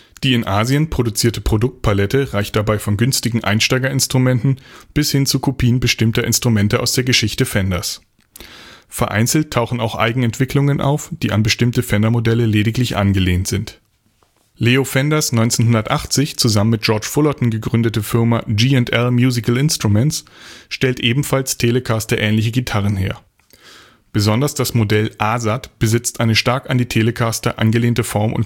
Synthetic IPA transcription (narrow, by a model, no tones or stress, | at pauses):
d̥iːɪnʔaːziənpʁ̥odut͡siːɐtəpʁ̥odʊk̚t̚pʰalɛtəʁaɪçt̚d̥abaɪfɔnɡʏnstɪɡŋ̩ʔa̰ɪnʃtaɪɡɐɪnstʁ̥umɛntn̩b̥ɪshɪnt͡sukʰopʰiːənbəʃtɪmtɐʔɪnstʁ̥umɛntəʔa̰ʊsd̥eːɐɡəʃɪçtəfɛndɐs | fɛɐʔa̰ɪnt͡sl̩tʰaʊxn̩aʊxʔa̰ɪɡŋ̩ɛntv̥ɪklʊŋənʔa̰ʊfd̥iːʔanbəʃtɪmtəfɛndɐmodɛləleːɾɪklɪçʔa̰nɡəleːntz̥ɪnt | leːofɛndɐsnɔʏnt͡seːnhʊndɐtʔaχt͡sɪçt͡suzamənmɪt̚ʒ̥ɔɐt͡ʃfʊlɔtn̩ɡəɡʁʏndətəfɪɐmad͡ʒiːɛntʔɛlmjuːzɪkl̩ɪnstʁ̥umɛnsʃtɛltʔeːbm̩falstʰeːləkʰaːstɐʔɛːnlɪç̬əɡitʰaʁ̞ənɦeːɐ | b̥əzɔndɐsd̥asmodɛlʔaːzatb̥əzɪt͡stʔaɪnəʃtaɐkandiːtʰeːləkʰastɐʔa̰nɡəleːntəfɔɐmʔʊ̰n